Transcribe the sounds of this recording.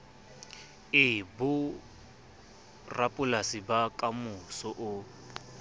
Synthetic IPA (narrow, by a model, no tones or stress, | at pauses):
ɪbʊ | rapʼʊlasibakʼamʊsɔʔʊ